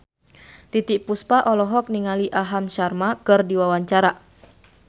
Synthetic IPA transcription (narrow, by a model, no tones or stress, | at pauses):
t̪it̪iʔpuspaʔɔlɔɦɔk̚niŋaliʔaɦamʃarmakɨrdiwawaɲt͡ʃaɾa